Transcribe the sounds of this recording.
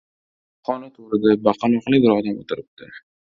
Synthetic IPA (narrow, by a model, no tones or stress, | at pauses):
χɒnat̪ʰoɾɪd̪abɑqʰɑloqlˠɪbɪɾɒd̪amot̪ʰɪɾɪp̚t̪ɪ